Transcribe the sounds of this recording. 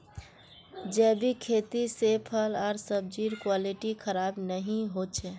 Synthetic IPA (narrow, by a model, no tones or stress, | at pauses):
d͡ʒɛbʱikʰet̪isepʰəlɔːɾsəb̚d͡ʒiɾkwaliʈikʰəɾabnəɦĩɦot͡ʃʰɛ